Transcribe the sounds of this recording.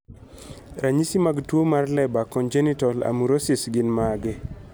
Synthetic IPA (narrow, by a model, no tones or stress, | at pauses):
ɾaɲisimaɡtwomarlɛbakɔnd͡ʒɛnitɔla̰muɾosisɡɪnmaɡɪ